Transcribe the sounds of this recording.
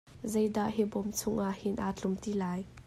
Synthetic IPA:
zɐjd̪aʔɦibɔmt͡sʰʊŋʔaʔhɪnʔat͡ɬʊmt̪ilaːj

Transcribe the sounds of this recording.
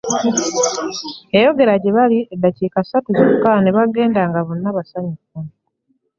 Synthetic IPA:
ejo̞ɡe̞ɾaɟeβaliedːaciːkasatuzukːaneβaɡe̞ːndaŋɡaβonːaβasaɲikːa

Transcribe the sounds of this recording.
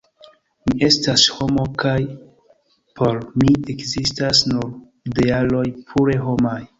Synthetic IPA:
miʔe̞stasho̞mo̞kaj | pʰo̞ɾmiekzistasnuɾ | dealo̞jpʰuɾe̞ɦo̞maj

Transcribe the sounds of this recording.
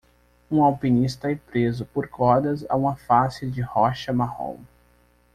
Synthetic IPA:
ũawpinist̪ɐɛpɾezʊpoɾkɔd̪ɐza̰ũmɐfasɪd͡ʒɪhɔʃɐmahõ̰m

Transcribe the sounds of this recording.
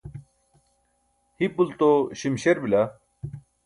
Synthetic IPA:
hipult̪oɕimɕeɾbila

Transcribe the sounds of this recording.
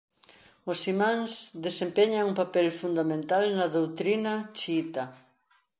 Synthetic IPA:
osimãŋsðesempɛɲaŋumpapɛlfund̪amẽnt̪alnɐðowt̪ɾinɐt͡ʃiit̪ɐ

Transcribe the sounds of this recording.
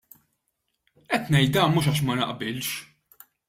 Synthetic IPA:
ʔɛt̪ːnɛjt̪̚d̪ɐːnmuːʃ̬ɐːʃ̬mɐnɐ̰ʔbɪlʃ

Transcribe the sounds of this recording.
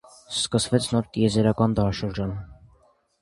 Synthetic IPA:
skəsvɛt͡sʰnɔɾt̪ijɛzɛɾɑkɑnd̪ɑɦɑʃəɾd͡ʒɑn

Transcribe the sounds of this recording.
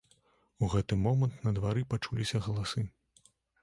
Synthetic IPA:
uɣɛt̪ɨmɔmɐnt̪nɐd̪vaɾɨpat͡ʂulʲisʲɐɣɐlˠasɨ

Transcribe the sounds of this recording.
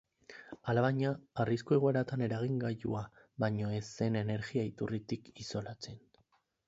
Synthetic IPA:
alaβaɲaːriskue̞ɣoeɾat̪ane̞ɾaɣ̞iŋɡaʝṵa | βaɲo̞e̞se̞ne̞ne̞ɾɣiait̪urit̪ikiso̞lat͡se̞n

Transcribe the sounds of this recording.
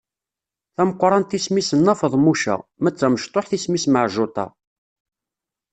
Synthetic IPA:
θæməqʷːɾˤɑnt̪ismisənːɑfəðˤmuʃæ̰mæt͡sːæməʃt̪ˤoħθismisməʕʒʊt̪ˤɑ̰

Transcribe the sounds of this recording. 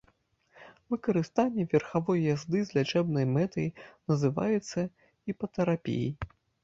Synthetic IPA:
vɨkɐɾɨst̪anʲːɛvʲɛrxavɔjjazd̪ɨzʲlʲat͡ʂɛbnɐjmɛt̪ɐjnɐzɨva̰jut̪sːɐ | ipɐt̪ɛɾapʲḭjḭ

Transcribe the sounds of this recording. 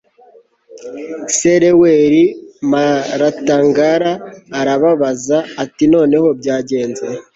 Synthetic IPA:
seɾeweɾimaɾataːŋɡaɾaːɾaβaβazaːtino̞ːne̞ho̞b̚ɟaːɟe̞ːnze

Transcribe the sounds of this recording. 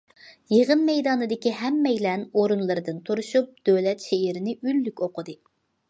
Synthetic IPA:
jeʁənmɛjd̪ɑːnɨd̪ɪkʲiɦɛmːɛjlɛnoɾunlˠɨɾɨd̪ɨnt̪ʰuɾuʃup̚d̪øwlɛt̪ʃeiɾɪnɪylːykʲoqʰəd̪ɨ

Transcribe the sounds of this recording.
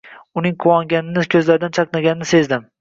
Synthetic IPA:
ʊnɪŋqʰʊwɒŋɡʲanɪnɪkʲʰɵzlaɾɪd̪ant͡ʃʰɑqnaɡʲanɪnɪse̞zd̪ɪm

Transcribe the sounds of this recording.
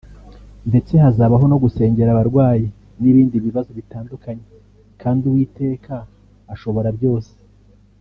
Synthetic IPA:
nde̞t͡se̞ɦazaβaɦo̞no̞ɡuse̞ːɲɟe̞ɾaβaɾɡwaːji | niβiːndiβiβazo̞βitaːndukaɲe̞ | kaːnduwiːte̞ːkʰaː | ʃo̞βo̞ɾabjo̞ːse̥

